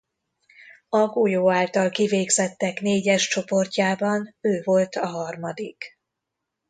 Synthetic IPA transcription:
ɒɡujoːaːlt̪ɒlkiveːɡzɛt̪ːɛkneːɟɛʃt͡ʃo̞po̞rcaːbɒnøːvo̞lt̪ɒɦɒrmɒd̪ik

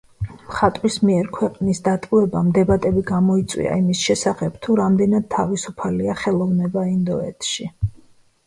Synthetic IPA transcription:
mχat̪ʼwismiɛɾkʰwɛqʼnisd̪at̪ʼuɛba̰md̪ɛbat̪ʼɛbiɡamɔit̪sʼwḭa̰imisʃɛsaχɛbt̪ʰuɾamd̪ɛnad̪̥̚t̪ʰːavisupʰaliaχɛlˠɔvnɛbaind̪ɔɛt̪ʰʃi

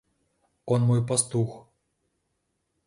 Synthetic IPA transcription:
ɔnmɔjpɐst̪ux

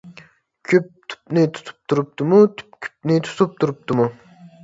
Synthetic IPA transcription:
kʲʰøp̚t̪ʰu̥p̚nɪt̪ʰu̥t̪ʰu̥p̚t̪ʰuɾup̚t̪umut̪ʰp̚kʲʰy̥p̚nɪt̪ʰu̥t̪ʰup̚t̪ʰuɾup̚t̪umu

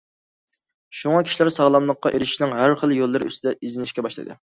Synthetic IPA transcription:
ʃuŋɑkʲʰi̥ʃilæɾsɑʁlˠɑmlˠəqːɑʔeɾɪʃi̥ʃnɪŋɦæɾχəlˠːjolˠːɨɾʔy̰st̪ɪd̪ɛʔizɪnɪʃkʲɛbɑʃlˠɨ̰d̪ɨ̰

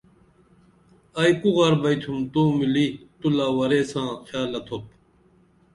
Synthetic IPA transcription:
ɐjkuɣɐɾbɐjt̪ʰumt̪uːmilit̪ulaːwɐɾeːsãːxjaːlːɐt̪ʰop̚

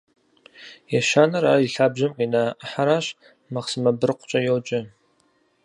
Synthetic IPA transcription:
jɛʃaːnɐɾaːiɬaːbʒɐmqiːnaːħaɾaːɕ | mɐqsɨmɐbɨrqʷʊt͡ʃʼɐjowt͡ʃʼɪ

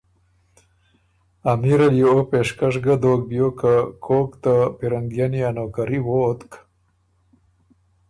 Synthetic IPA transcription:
amiɾaljoopeʂkaʂɡad̪oːk̚bjokakʰoːkt̪apiɾaŋɡjanijanoːkaɾiwot̪k

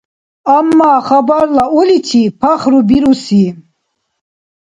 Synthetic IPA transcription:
amːaχabaɾlaɔlit̪ʰipʰaχɾubiɾusi

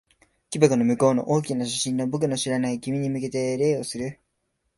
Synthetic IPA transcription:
kʲibakɯ̟no̞mɯ̟ko̞ːno̞̰ʔoːkʲinaɕḁɕĩnːo̞bok̬ɯ̟no̞ɕiɾanaiɡʲimʲiɲ̟imɯ̟ke̞t̪e̞ɾe̞ːo̞sɨɾɯ̟

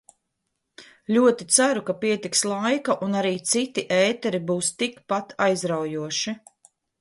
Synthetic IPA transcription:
lʲuɔt̪it̪saɾukapiɛt̪ikslˠajkaʔunaɾiːt̪sit̪iʔɛːt̪ɛɾibuːst̪ikpat̪ʰajzɾawjuɔʃi

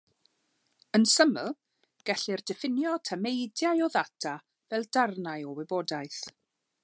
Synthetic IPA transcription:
ənsəməlˠ | ɡ̥ɛɬɪrdɪfɪnjɔtʰamejdjajɔðatʰa | vɛlˠd̥arnajɔwɪbɔdajθ

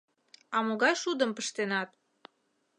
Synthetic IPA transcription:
ɑmoɣɑjʃud̪əmpəʃt̪enɑt̪̚

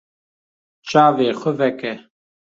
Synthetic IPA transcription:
t͡ʃaːveːxəvɛkɛ

